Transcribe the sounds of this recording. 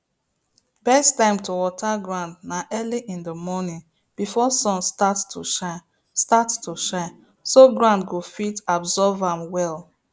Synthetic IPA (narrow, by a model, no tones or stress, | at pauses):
bɛstãɪ̃mtowɔtʰaɡɹãndnaʔɜliʔĩndəmɔnĩn | b̥ifɔsɔ̃nstattuoʃa | stattuʃãɪn | soɡɹãndɡofitɔbzɔvãmwɛl